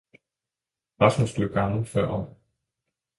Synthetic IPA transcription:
ʁɑ̈smusd̥yɡ̥ɑ̈ŋl̩fɶɐ̰ɒ

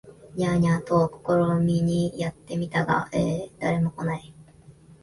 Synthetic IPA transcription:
ɲaɲat̪oːkoko̞ɾomʲiɲ̟ijat̪ːe̞mʲit̪aɡa̰ʔeːd̪̥aɾe̞mo̞ko̞nai

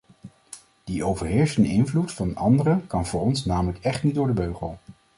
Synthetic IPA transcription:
d̥iʔowvəɹɦɪːɹsəndəɪnvlutfɑnɑndərəkɑnvʊːɹɔnsnaːmələkɛχtnidʊːɹdəbøɥχəlˠ

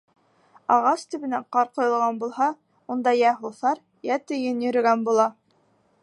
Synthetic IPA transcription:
ɑʁɑst̪ɘ̆βɘ̆næɴqɑɾqŏjɤ̆lˠʁɑnbulˠhɑ | und̪ɑjæɦuθɑɾ | jæt̪ɘ̆jɘnjɵ̆ɾɘ̆ɡænbulˠɑ

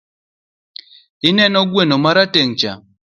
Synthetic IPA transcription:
ɪnɛnɔɡwenomaɾateŋt͡ʃa̰

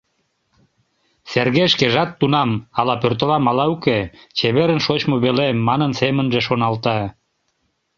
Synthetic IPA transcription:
serɣeʃkeʒɑt̪ːunɑmɑlɑpørt̪əlɑmɑlɑuket͡ɕeβeɾə̆nʃot͡ɕmoβelemːɑnənsemə̆nʒeʃonɑlt̪ɑ

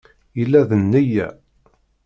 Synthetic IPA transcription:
jəlːæðənːəjæ̰

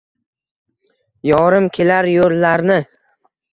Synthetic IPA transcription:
jɒɾɪmkʲʰe̞laɾjollaɾnɪ

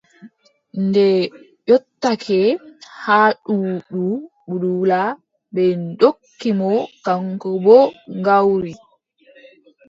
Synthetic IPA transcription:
ndɛ | jɔtːakʰɛhaɗuɗu | budula | bɛndokːimɔkaŋkɔbɔŋɡawɾi

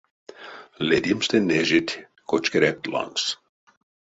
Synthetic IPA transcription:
led̪ʲimst̪ɛneʒit̪ʲ | kot͡ʃkeɾɛt̪lɑ̰ŋks

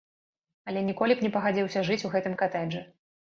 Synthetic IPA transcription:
ɐlʲɛnʲikɔlʲipnʲɛpɐɣad͡zʲiwsʲɐʐɨt͡sʲuɣɛt̪ɨmkat̪ɛʐɨ

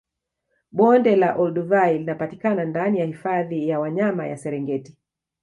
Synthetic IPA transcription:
ɓɔndɛlaʔɔlduvajlinapatikanandanijahifaðijawaɲamaja̰sɛɾɛŋɡɛti

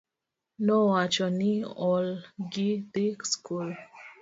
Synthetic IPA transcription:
nɔwat͡ʃɔniɔlɡit̪ikskul

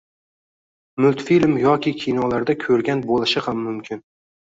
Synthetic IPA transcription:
mʊlt̪filʲmjɒkʲɪkʲʰɪjnɒlaɾd̪akʲʰɵɾɡʲanbolˠɪʃɪhamːʊmkʲʰɪn

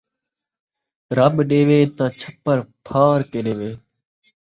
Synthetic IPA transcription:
ɾəɓɗeːʋeːt̪ãːt͡ʃʰəpːəɾpʰaːɾkeːɗeːʋeː

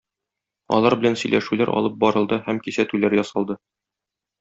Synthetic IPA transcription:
ɒ̰lˠɑɾbɘ̆lænsɵ̆jlʔæʃʉlæɾɒ̰lˠɤp̚bɒɾɤ̆lˠd̪ɤhæmkisæt̪ʉlæɾjɒsɑlˠd̪ɤ

